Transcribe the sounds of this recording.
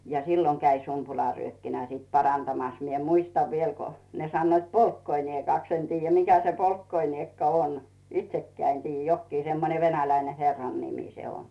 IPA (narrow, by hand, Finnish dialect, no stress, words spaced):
jɑ silːoŋ kæi sumpulɑˑryøkːinæ sit pɑrɑntɑmɑs mie muistɑʋ ʋiel ko ne sɑnːoit polkːoiniekɑˑks en tiːjːæ mikæ se poikːoiniekːɑ on itsekːæː en tiːjːæ jokːiː semːone ʋenælæine herːɑnːimiˑ se on